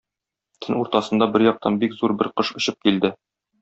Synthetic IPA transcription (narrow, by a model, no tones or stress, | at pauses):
t̪ʰɘnuɾt̪ɑsɤ̆nd̪ɑbɘɾjɒq̚t̪ʰɑnbikzuɾbɘɾqɤʃŏɕɤp̚kild̪ɘ